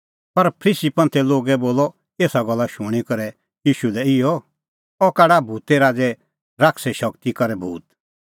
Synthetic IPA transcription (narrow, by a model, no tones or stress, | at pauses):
pɐɾpʰɾiːsipɐ̃nt̪ʰɛloːɡɛboːlɔ | eːsaɡɔlːaʃũɽ̃ikɐɾɛ | jiːʃulɛɪjɔ | ɔkaːɽabʱuːt̪ɛɾaːd͡zɛ | ɾaːkʰsɛʃɐkt̪ikɐɾɛbʱuːt̪